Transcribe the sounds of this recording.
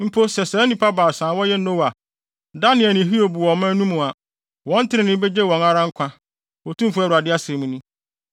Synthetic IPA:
m̩˦pʰo˦sɛ˨sɛː˨˦nĩ˦pʰa˦baː˨sãː˨˦wɔ˦jɛ˦nõ˦wa˨ | da˦nɪ̃˨ɛ˨nɪ̃˨ɦi˦o˨bu˨wɔ̃˨˦mã˦nũ˦mũ˨a˨ | wɔ̃˦n̩˦tʰɪ˦ɾɪ̃˨nɪ̃˦be˦d͡ʑɛ˦˨wɔ̃˨na˦ɾã˦ŋ̩˦kʷʰã˦ | wɔ˨tʰũ˦mfu˦ɛ˦˨ɾu˨a˨dɪ˦a˦sẽ˨mũ˦nũ˦

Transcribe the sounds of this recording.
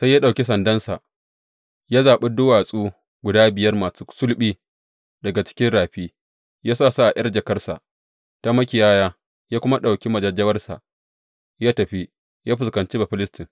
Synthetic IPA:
sa˦jːaː˦ɗa˨wkʲi˦sɐ˨ndɐ˦nsa̰˨ʔ | jaː˦zaː˨ɓe˦dʊ˦waː˨sʼuː˦ | ɡʷʊ˨daː˦bɪ˨jɐ˦rmaː˨su˦sʊ˦lɓiː˦ | dɐ˨ɡa˨t͡ʃɪ̥˦kʲɪ˦nɽaː˨ɸiː˦ | jaː˦saː˦˨sa˦ʔa˨ʔɐ˦rd͡ʒɐ˨kɐ˦rsa̰˨ʔ | ta˦mɐ˦kʲɪ˨jaː˦jaː˦ | jaː˦kʷʊ˦ma˦ɗa˨wkʲi˦mɐ˨d͡ʒɐ˨d͡ʒɐ˦wɐ˦rsa̰˨ʔ | jaː˦tɐ˨ɸi˦ | jaː˦ɸɪ˨skɐ˨nt͡ʃi˦ba˨ɸɪ˦lɪ˦stɪ˨ŋ

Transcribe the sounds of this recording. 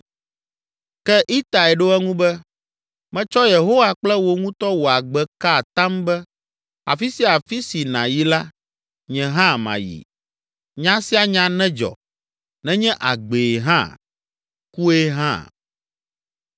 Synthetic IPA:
kɛ˦ʔi˦t̪a˨ɛ˨ɖo˦ɛ˦ŋũ˦bɛ˦ | mɛ̃˦t͡ʃɔ˦je˨ɦo˦wa˦k͡plɛ˦wo˦ŋũ˦t̪ɔ˦wo˨a˨ɡ͡bɛ˦ka˦˨t̪ã˦mbɛ˦ | a̰˨fi˦si˦˨a˨fi˦si˨nã̰˨ji˦la˦ | ɲɛ̃˨ɦã˦mã̰˨jḭ˨ | ɲã˦si˦a˨ɲã˨˦nɛ̃˦d͡ʒɔ̰˨ | nɛ̃˦ɲɛ̃˦ʔa̰˨ɡ͡be˨ɦã̰˦ | ku˦e˦ɦã̰˦˨

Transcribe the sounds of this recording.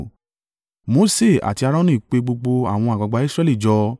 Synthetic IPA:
mo˨˦se˦˨a̰˨ti˧a˧ɾɔ̃˦nũ˦i˨k͡pe˧ɡ͡bo˧ɡ͡bo˧a̰˦˨w̃ɔ̃˧a˨ɡ͡ba˨ɡ͡ba˨˦i˦sɾɛ˦li˦˨d͡ʒɔ˧

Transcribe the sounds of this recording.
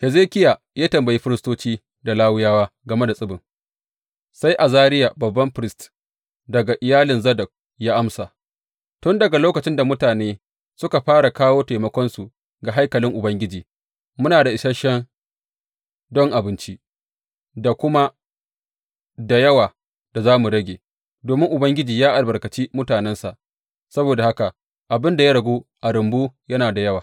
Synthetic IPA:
hɛ˨zeː˦kʲɪ˦ja˨ | jaː˦tɐ˨mbɐ˨ji˦ɸɪ˦ɾɪ˦stoː˦t͡ʃiː˦ | da˨laː˦wʊ˦jaː˦waː˦ɡɐ˨me˦da˨sʼɪ˦bɪ˨ŋ | sa˦jʔa˨zaː˦ɾɪ˦ja˨bɐ˨bːɐ˦mɸɪ˦ɾɪ˦st | dɐ˨ɡa˨ʔɪ˨jaː˦lɪ˨nzɐ˦dɐ˨k̚ | jaː˦ʔa˦msa˨ | tʊ˦ndɐ˨ɡa˨loː˦kɐ˨t͡ʃɪ˦nda˨mʊ˦taː˨neː˦ | sʊ˦ka˨ɸaː˦ɽa˨kaː˦woː˦ta˨mɐ˦kʷɔ˦nsu˨ | ɡa˨ɦa˦jkɐ˨lɪ˦ŋʔʊ˨bɐ˦ŋɡʲɪ˦d͡ʒiː˨ | mʊ˦naː˨da˨ʔɪ˨ʃɐ˦ʃɛ˦n | dɔ˦ŋʔa˨bɪ˦nt͡ʃi˦ | da˨kʷʊ˦ma˦ | da˨jɐ˦waː˨ | d̥a˨zaː˦mu˨ɽɐ˦ɡʲeː˨ | doː˨mɪ˦ŋʔʊ˨bɐ˦ŋɡʲɪ˦d͡ʒiː˨jaː˦ʔa˨lbɐ˨ɾkɐ˨t͡ʃi˦mʊ˦taː˨nɛ˦nsa˨ | sɐ˦boː˨da˨ha˦ka˨ | ʔa˨bɪ˦nda˨ja˦ɽɐ˨ɡʷuː˦ʔa˨ɾʊ˨mbuː˦jɐ˦naː˨da˨jɐ˦waː˨

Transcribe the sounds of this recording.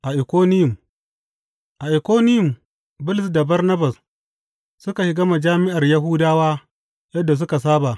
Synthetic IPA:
ʔa˨ʔɪ˨kʷoː˦nɪ˦jʊ˨m | ʔa˨ʔɪ˨koː˦nɪ˦jʊ˨m | bʊ˦lɪ˨sda˨bɐ˦rnɐ˦bɐ˨s | sʊ˦ka˨ʃɪ˦ɡɐ˦ma˨d͡ʒaː˦mɪ˦ʔa˨rja˦ɦʊ˦daː˦waː˦ | jɐ˦dːa˨s̬ʊ˦ka˨s̬aː˦ba˨ʔ

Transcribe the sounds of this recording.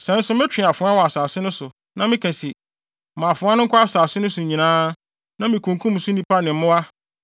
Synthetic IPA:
sɛ̃˨˦n̩˦sʊ˦mɪ̃˦t͡ɕᶣɪ̃˨a˨fʊ̃˨˦a˦wɔ˨a˨saː˨sɪ˦nʊ̃˦sʊ˨ | nã˨mɪ̃˦kʰæ̃˨si˨ | mã˨fʊ̃˨˦a˦nʊ̃˦ŋ˦kʷʰa˦a˦saː˨sɪ˦nʊ̃˦sʊ˨ɲĩ˨nãː˦ | nã˦mĩ˨kʰũ˨ŋkʰũ˦m˨˦sʊ˦nĩ˦pʰa˦nɪ̃˨m˦mʊ̃˦a˦

